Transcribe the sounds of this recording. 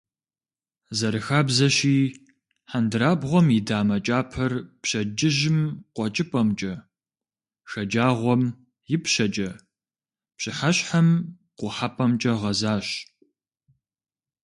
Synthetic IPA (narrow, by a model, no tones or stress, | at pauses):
zɐɾɨxaːbzɐɕiː | ħandɨɾaːbʁʷɔmidaːmɐt͡ʃʼaːpʰɐrpɕɐd͡ʒɪʒɪmqʷʼɔt͡ʃʼɪpʼɐmt͡ʃʼɐ | xɐd͡ʒaːʁʷɔm | jɪpɕɐt͡ʃʼɐ | pɕɪħɐɕħam | qʷʊħapʼɐmt͡ʃʼɐʁɐzaːɕ